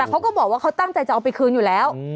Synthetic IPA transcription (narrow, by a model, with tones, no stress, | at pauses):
ɛː˨˩kʰa˦˥wkɔː˥˩bɔː˨˩k̚waː˥˩kʰwt̪a˥˩ŋt͡ɕa˧jt͡ɕa˨˩ʔa˧wpa˧jkʰɯː˧njuː˨˩lɛː˦˥w